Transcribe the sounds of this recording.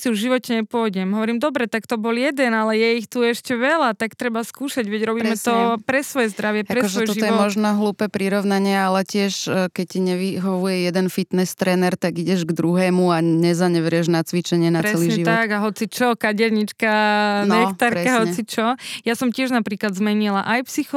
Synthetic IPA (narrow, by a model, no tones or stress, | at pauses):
siuvʒiʋɔcɛɲɛpʊɔjɟɛmɦɔʋɔɾiːmd̪ɔbɾɛt̪akt̪ɔbɔljɛd̪ɛnalɛjɛixt̪uɛʃcɛʋɛlat̪akt̪ɾɛbaskuːʃaɟʋɛɟɾɔbiːmɛt̪ɔpɾɛsʋɔjɛzd̪ɾaʋɪɛpaɾɛɛɔj̪ɔʒiɔjɛɔɛmɔʒnɔɦluːpɛpɾiɾɔʊnaɲɪaalɛcɪɛʃkɛc̚cːiɲɛʋiɦɔʋujɛjɛd̪ɛnfit̪nɛst̪ɾɛːnɛɾt̪aɡiɟɛʒɡd̪ɾuɦɛːmuaɲɛzaɲɛʋɾɪɛʒnat͡sʋit͡ʃɛɲɪɛnaɾɛsɛliɲɛʒiʋ̪ɔaɡaɦɔt͡sit͡ʃɔkaɟɛɾɲit͡ʃkanɛxt̪aɾɾɛkaɦɔt͡sit͡ʃɔjasɔmcɪɛʒnapɾiːklad̪zmɛɲilaʔajpsixɔ